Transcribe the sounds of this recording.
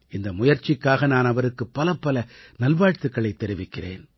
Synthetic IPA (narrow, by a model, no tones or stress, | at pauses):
ɪnd̪ɐmʊjɐɾt͡ʃːɪkːaːɣɐnaːnɐʋɐɾɯkːɯpːɐlɐpːɐlɐnɐlʋaːɻt̪ɯkːɐɭɐɪt̪ːɛɾɪʋɪkːɪrḛːn